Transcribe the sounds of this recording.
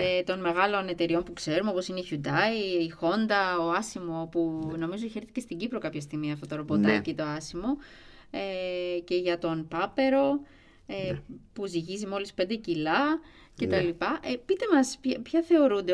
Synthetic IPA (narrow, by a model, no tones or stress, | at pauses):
et̪o̞nme̞ɣɐlo̞ne̞t̪e̞ɾio̞mpukse̞ɾumeo̞po̞sineiçud̪ɐiixo̞nd̪ɐoɐsimo̞puno̞mizoçe̞ɾθice̞st̪iɟipɾo̞kɐpçɐst̪iɣmiɐft̪o̞t̪oɾobo̞t̪ɐcit̪o̞ɐsimo̞ | ece̞ʝɐt̪o̞npɐpe̞ɾo̞ | epuziʝizimo̞lispe̞nd̪ecilɐ | ce̞t̪ɐlipɐʔepit̪e̞mɐspçɐθe̞o̞ɾund̪e